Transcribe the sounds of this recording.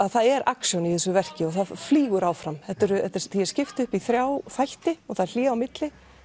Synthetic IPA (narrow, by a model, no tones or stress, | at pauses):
aðθaðɛɾaksjɔniθɪsʏvɛr̥cɪɔɣθaðfliːɣʏɾaːwfɾamθɛt̪ːʏɾʏɛt̪ɛɾθiɛ̥scɪft̪ʏhpiθɾjaːwfajh̪t̪ɪɔθaðɾl̥iːɣawmɪt̪lɪ